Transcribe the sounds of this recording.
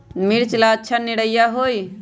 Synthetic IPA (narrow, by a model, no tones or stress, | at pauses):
miɾt͡ʃlaətːʃʰaniɽəjaɦoj